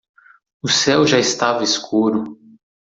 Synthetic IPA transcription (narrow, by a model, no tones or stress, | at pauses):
ʊsɛwʒaɪst̪avɐeskʰuɾʊ